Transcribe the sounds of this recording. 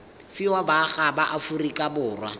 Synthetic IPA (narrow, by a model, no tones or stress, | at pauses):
fɪwabaχabaʔafurikʼabʊːrwa̰